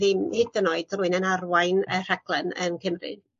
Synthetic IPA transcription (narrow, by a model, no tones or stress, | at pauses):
ðihɪdənɔɨd̥ruːɨnənarwajnər̥aɡ̥lˠɛnənkʰəmrɨ̰